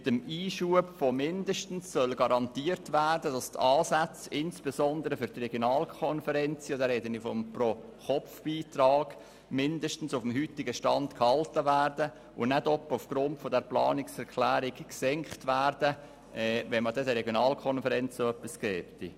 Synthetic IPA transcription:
mɪt̪əmiːʃuəbfomɪndəʃtn̩sːœlɡɑɾɑntiːəɾtʋæːɾdəd̥ɑst̪ɑːsæt͡sɪnsb̥ezɔnd̪əɾəfʏɾt̪rɛɡjonɑːlkʰɔnfəɾɛnt͡siodəɾɛd̪ənifɔmpro | χɔfb̥iːtɾɑːɡ̥ | mɪndəʃtn̩sufm̩hyt̪ɪɡəʃtɑnd̪khɑltəʋæːrd̥ə | ʊnɛtɔpːəufɡ̥ɾʊntfodɛɾplɑ̰ːnɪksɛɾkʰlæːɾɪkksɛŋkχtʋæːrdə | ʔɛvɛnmədɛdəɾɛɡjonɑːlkʰɔnfəɾɛnt͡soœpːiskɛːpt̪ḭ

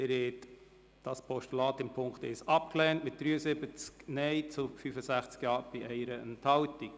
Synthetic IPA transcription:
ɪɾɛt | d̥ɑspʰɔʃtulɑːt̪ɪmpʰʊŋkχt̪ɛ̰sɑp̚klɛːntmɪt̚d̥ɾyːəsɪbət͡sknɛɪt͡sʊfyfəsæχt͡skjɑːɾb̥ɪʔɛɪɾəənt̪hɑwtik

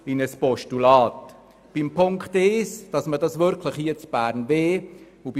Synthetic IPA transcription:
ɪnəspɔʃtulɑːt | b̥ɪmpʰʊŋkχtɪsd̥ɑsmədɑsʋʏɾkʰləχhiət͡sb̥æːɾnveː | ub

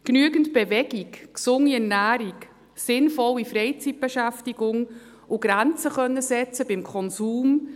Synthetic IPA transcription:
knyəɡəntb̥evɛɡ̥ikksʊŋːiɛnæːɾik | sɪnfɔlːifɾɛɪt͡sit̚b̥eʃæftiɡʊŋ | ʔʊɡ̥ɾænt͡səχœnːəsɛt͡səbɪmkʰɔnsuːm

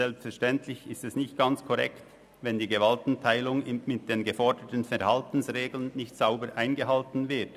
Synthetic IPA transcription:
ɛlpstfɛɐʃtɛntʰlɪçɪstɛsnɪçtɡ̥ant͡skʰɔʁɛ̰kt | vɛndiːɡəvaltn̩tʰaɪlʊŋɪmɪt̚d̥eːnɡəfɔɹdətənfɛʁhaltn̩sʁeːɡl̩ənːɪçtsaʊbəɾʔaɪnɡəhaltn̩vɪɐt

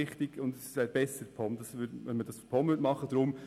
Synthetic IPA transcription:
ɪχtɪɡ̥ʊndɛssaɪb̥ɛsəɾpʰɔmd̥ɑsʋʏdʋɛnmədɑsfpʰɔmvʏdmɑχəd̥ɾʊm

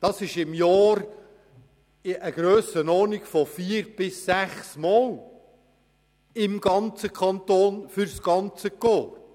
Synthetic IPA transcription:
d̥ɑsɪʃɪmjɑːɾ | ʔəɡ̥ɾøːsənɔːnikfɔfiəɾb̥ɪsːæχsmɑːl | ɪmɡɑnt͡səkʰχɑnt̪oːnfʏɾsɡ̥ɑnt͡səkɔːɾ

